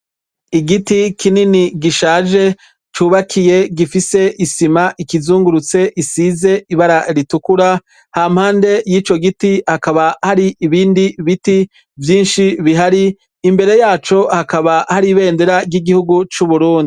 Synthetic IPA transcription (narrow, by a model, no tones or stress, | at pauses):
iɡitikininiɡiʃaːʒe̞ | t͡ʃuːβakʰije̞ɡifise̞ʔisimaʔikizuːŋɡuɾut͡se̞ʔisize̞iβaɾaɾitukuɾa | ham̥haːnde̞jiːt͡ʃo̞ɡitihakaβahaɾiʔːβiːndiβiti | vjiːnʃiβiɦaɾiː | mbe̞ɾe̞jaːt͡ʃo̞hakaβahaɾiβe̞ːndeɾabɟiɡihuɡut͡ʃuβuɾuːndi